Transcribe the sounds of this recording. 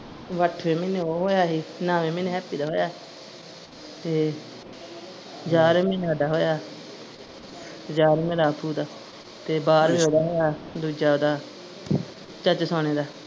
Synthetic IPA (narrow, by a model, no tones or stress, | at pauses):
ʋəʈʰʋeːmeːnẽːoːɦoːjaːɦiːnãːʋeːmeːnẽːɦɛːpiːd̪aːɦoːjaː | t̪eː | d͡ʒaːɾemẽːnaːd̪aːɦoːjaː | d͡ʒaːɾmẽːɾaːpʰuːd̪aː | t̪eːbaːɾbiːɦoːd̪aːɦoːjaːd̪uːd͡ʒaːoːd̪aː | t͡ʃət͡ʃsoːneːd̪aː